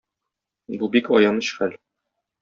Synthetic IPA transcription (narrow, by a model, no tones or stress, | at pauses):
bubikɒjɑnɤɕχæl